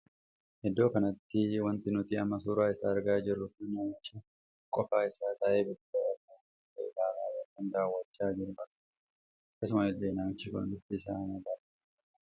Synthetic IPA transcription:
hɛd̪ːo̞ːkɐnɐt̪ːɪwɐnt̪ɪnʊt̪iɐmːɐsuːɾaːɪsaːɐɾɡaːd͡ʒɪrːʊkɐnɐmɐt͡ʃɐ | kʼɔfaːɪsaːt̪ɐʔeːbɪdɐɐk̪ːɐ | tɐd̪aːɾaːwɐkːɐnd̪aːwːɐt͡ʃːaːd͡ʒɪɾʊʔɐkːɐ̥ | ɐkːɐsʊmɐɛd̪ːeːnaːmɪt͡ʃːɪkʊ̰nd̪ɪt̪ːɪsaːnɐbɐɾ

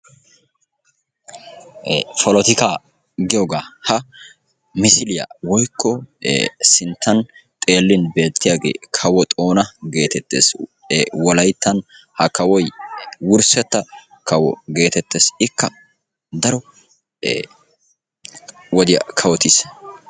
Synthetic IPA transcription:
fɔlɔt̪ɪkaː | ɡɪjoːɡaːhɐ | mɪsɪlɪjɐ̰wɔjkʰːɔ | sɪnt̪ːɐnt̪ʼe̞ːlːɪnbe̞ːt̪ːɪjaːɡḛːkʰɐwɔt̪ʼo̞ːnɐɡe̞ːt̪ɛt̪ːḛːs | wɔlɐjt̪ːɐn | hɐkɐwɔjwʊɾsɛt̪ːɐ | kɐwɔ̰ɡe̞ːt̪ɛt̪ːeːsɪkːɐ | d̪ɐɾɔ | wɔd̪ɪjɐ̰kʰɐwɔt̪is

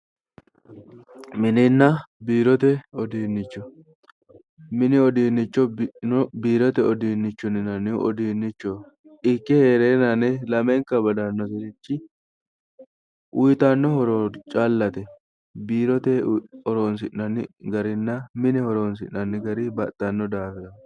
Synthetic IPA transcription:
mɪnɪnːɐbiːɾɔt̪ɛɔd̪iːnːɪt͡ʃːɔ | mɪnɪɔd̪iːnːɪt͡ʃːɔɔbiːɾɔt̪ɛɔd̪iːnːɪt͡ʃːɔnɪnɐnɪʔɔ̰d̪iːnːɪt͡ʃːɔ | ʔɪkːɛheːɾeːnɐnɛlɐmɛŋkɐbɐd̪anːɔsɛɾɪt͡ʃːɪ | ʔʊjt̪ɐnːɔhɔɾoːt͡ʃʼalːɐt̪ɛ | biːɾɔt̪ɛɔɾoːns̬ɪʔnɐnːɪɡɐɾɪnːɐmɪnɪhɔɾoːns̬ɪ̰ʔnɐnːɪɡɐɾɪbɐt̪ʼːɐnːɔd̪aːfɛɐ

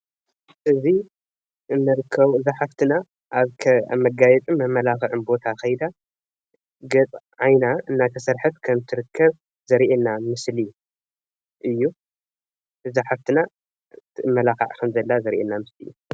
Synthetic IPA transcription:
ʔɨzi | ʔɨnːɨɾɨkʰːɐβuɨzaħaft̪ʰɨna | ʔaβkʰmɐɡajɛt͡sʼɨmɐmːɐlaxɨʕɨnbo̞t̪ʰaxɐjd̪a | ɡɐt͡sʼʕajnaɨnːat̪ʰɐsɐɾħɨt̪kʰɐmt̪ʰɨɾɨkʰːɐβ | zɐɾʔenːamɨsli | ʔɨjːu | ʔɨzaħaft̪ʰɨna | t̪ʰɨɨmːɐlaxa̰ʕkʰɐmzɐlːazɐɾʔḛnːamɨslḭjːu

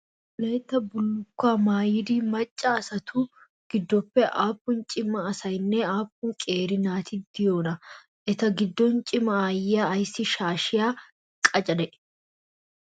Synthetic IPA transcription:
lɐjt̪ːɐbʊlːʊkːaːmaːjɪd̪iːmɐt͡ʃʼːɐːsɐt̪ʰuː | ɡ̥ɪd̪ːɔpːɛʔaːpːʊnt͡ʃʼɪmːɐːsɐjnːɛaːpːʊŋkʼe̞ːɾɪnaːt̪ɪd̪̥ɪjoːnɐ | ʔɛt̪ɐɡɪd̪ːɔnt͡ʃʼɪmɐaːjɪaːjsːɪʃaːʃɪjaː | kʼɐt͡ʃʼɐd̪ɛʔ

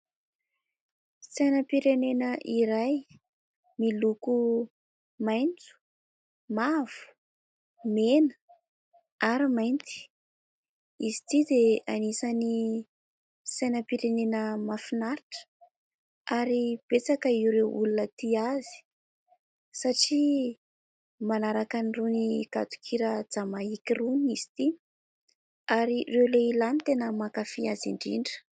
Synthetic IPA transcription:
sajnəpiɾenenəʔiɾaj | miluku | majnt͡su̥ | mav̥u̥ | menə̥ | aɾimajnt̪i̥ | izit̪id̪eanisani | sajnəpiɾenenəmafinaɾiʈ͡ʂə̥ | aɾib̥et͡sakəiuɾewʔṵlunət̪iazi̥ | saʈ͡ʂi | manaɾakaniruniɡ̥a̰t̪u̥kʰiɾəd͡zamaikiruniz̥i̥t̪i | aɾirewleilanit̪enəmakafiazḭɳɖ͡ʐḭɳɖ͡ʐə̥

